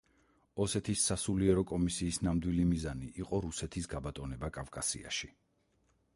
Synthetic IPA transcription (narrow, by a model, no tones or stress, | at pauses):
ɔsɛt̪ʰisːasuliɛɾɔkʼɔmisiːsnamd̪wilimizaniʔːqʼɔɾusɛt̪ʰisɡabat̪ʼɔnɛbakʼavkʼasḭa̰ʃi